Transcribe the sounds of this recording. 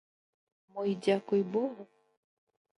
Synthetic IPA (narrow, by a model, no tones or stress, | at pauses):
mɔjdʲakʊjbɔɣʊ